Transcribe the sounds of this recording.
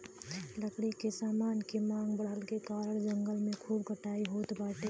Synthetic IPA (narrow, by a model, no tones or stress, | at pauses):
ləkɽikesaːmaːnkemãːŋɡbəlkekaːɾəɽd͡ʒə̃ŋɡəlmẽkʰuːbkəʈaːiɦoːt̪baːʈe